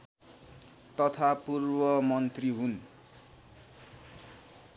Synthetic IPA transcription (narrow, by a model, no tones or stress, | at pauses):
t̪ʌt̪ʰapurbʌmʌnt̪riɦun